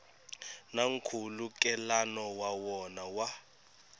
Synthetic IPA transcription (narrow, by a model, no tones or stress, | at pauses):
naŋ̩kʰulukʼɛlanɔwawɔnawa